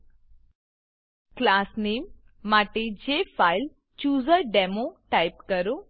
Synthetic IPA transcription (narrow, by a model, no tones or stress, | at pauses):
klasnemː | aʈed͡ʑefajl | t͡ɕuːzəɾɖɛmoʈajpkəɾo